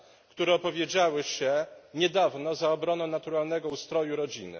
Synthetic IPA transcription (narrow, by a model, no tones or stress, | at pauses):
kt̪uɾɛɔpɔvʲjed͡ʑawɘɕɛɲɛd̪avnɔzaɔbɾɔnɔ̃w̃nat̪uɾalnɛɡɔust̪ɾɔjuɾɔd͡ʑḭnɘ̰